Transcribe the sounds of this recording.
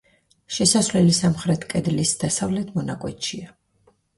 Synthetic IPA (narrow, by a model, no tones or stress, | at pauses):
ʃɛsasvlɛlisamχɾɛt̪ʰkʼɛd̪lisd̪̥asavlɛt̪ʰmɔnakʼwɛt̪ʃia